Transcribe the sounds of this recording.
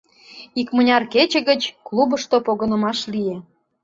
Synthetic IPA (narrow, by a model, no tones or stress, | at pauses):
ikmə̆nʲɑrket͡ɕĕɣət͡ɕklˠubəʃt̪opoɣə̆nə̆mɑʃlije